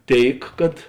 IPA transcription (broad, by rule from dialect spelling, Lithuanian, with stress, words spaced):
ˈtʲeːɪk kɐt